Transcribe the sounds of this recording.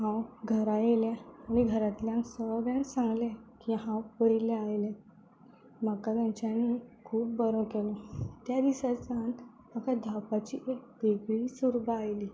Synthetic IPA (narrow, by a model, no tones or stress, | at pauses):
ɦãwɡʱəɾajeljɛ̃añiɡʱəɾat̪ljãŋsəɡansãŋɡlɛ̃kiɦãwpəɾilɛajlɛ̃ | makat̪jãɲt͡ɕanːikʰuːpbəɾɔkelɔt̪jad̪isat͡san | makad̪ʱapat͡ɕiʔek̚b̪eɡɽiːsuɾbaːjliː